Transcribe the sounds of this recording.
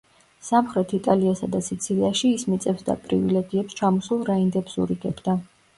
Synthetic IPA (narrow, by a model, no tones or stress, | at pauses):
samχɾɛt̪ʰit̪ʼaliasad̪asit̪sʰiliaʃiːsmit̪sʼɛbsd̪a̰pʼɾḭvilɛɡiɛpst͡ʃʰamɔsulˠɾaind̪ɛbsṵɾiɡɛbd̪a